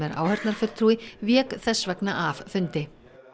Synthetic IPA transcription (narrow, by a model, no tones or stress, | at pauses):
ɛɾa̰ːwhɛɾt̪naɾ̥fʏl̥t̪ʰɾuːɪvjɛːkθɛsːvɛknaʔaffʏnt̪ɪ